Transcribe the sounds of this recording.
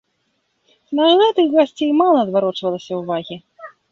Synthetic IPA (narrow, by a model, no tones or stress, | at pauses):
nɐɣɛt̪ɨxɣasʲt͡sʲejmalˠɐd̪vaɾɔt͡ʂvɐlˠɐsʲɐwvaɣʲi